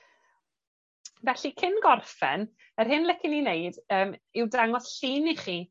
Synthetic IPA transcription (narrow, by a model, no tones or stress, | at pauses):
vɛɬikʰɪnɡɔrfɛ̰n | ərɦɪnlˠɪkʰɪnineɨdəːmɪwdaŋɔsɬiniχiː